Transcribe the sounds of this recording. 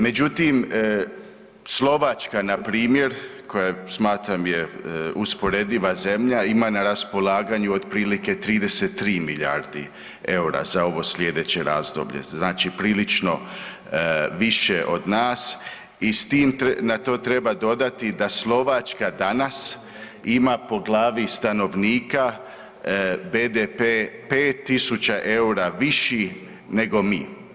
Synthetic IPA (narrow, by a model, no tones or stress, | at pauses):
me̞d͡ʑut̪im | slo̞ʋat͡ʃkanapɾiːmje̞ɾko̞jasmaːt̪ɾamjeuspo̞ɾe̞d̪iʋaze̞mʎaimanaɾaspo̞laːɡaɲuod̪pɾiːlike̞t̪ɾiːd̪e̞set̪ːɾiːmiʎaːɾd̪i | e̞uɾa̰zao̞ʋo̞slʎʲe̞d̪e̞t͡ɕeɾaːzd̪o̰bʎḛznaːt͡ʃipɾiːlit͡ʃno̞ | ʋiʃeʔo̞d̪naːs | ist̪iːmnat̪o̞ːt̪ɾe̞bad̪o̞d̪at̪id̪aslˠo̞ʋat͡ʃkad̪anas | imapo̞ɡlˠaːʋist̪ano̞ʋniːka | beːd̪epepeːt̪ːisut͡ɕaʔe̞uɾaʋiʃi | ne̞ɡo̞miː